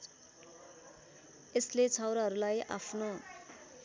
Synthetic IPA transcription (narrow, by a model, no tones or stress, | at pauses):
eslet͡sʰawɾaɦʌɾulajʔa̰pʰno